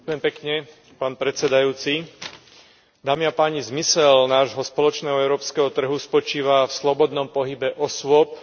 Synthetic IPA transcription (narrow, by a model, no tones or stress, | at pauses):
akʊjɛmpɛkɲɛ | paːnpɾɛt͡sɛd̪ajuːt͡si | d̪aːmiapaːɲizmisɛlnaːʒɦɔspɔlɔt͡ʃnɛːɦɔɛʊɾɔːpskɛɦɔt̪r̩ɦuspɔt͡ʃiːʋafslɔbɔd̪nɔmpɔɦibɛʔɔsʊɔp̚